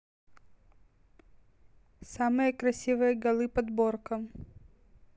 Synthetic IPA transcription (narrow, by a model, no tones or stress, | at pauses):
samɨjəkɾɐsʲivɨjəɡɐlˠɨpɐd̪borkəm